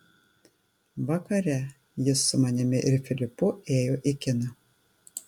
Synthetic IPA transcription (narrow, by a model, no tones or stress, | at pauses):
ʋɑkɐɾʲɛ | jɪsːʊmɐnʲɪmʲɪʔɪɾfʲɪlʲɪpʊeːjoːʔɪkʲɪnɐ